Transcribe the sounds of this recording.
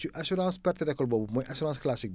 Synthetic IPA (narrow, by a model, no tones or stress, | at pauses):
siʔasyɾɑ̃ːspɛɾt̪ed̪akɔlbɔbumɔ̃ʔasyɾɑ̃sklasik̚